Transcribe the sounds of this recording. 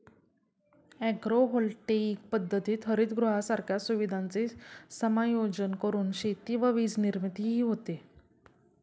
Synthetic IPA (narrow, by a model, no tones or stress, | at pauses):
ɛɡɾoɦolʈeik̚pəd̪ʱːət̪iːt̪ʰɦəɾiːt̪ɡɾuɦasaɾkʰjasuʋid̪ʱant͡sesəmajod͡ʑənkəɾuːnɕet̪iːʋəʋiːd͡zniɾmit̪iɦiːɦot̪e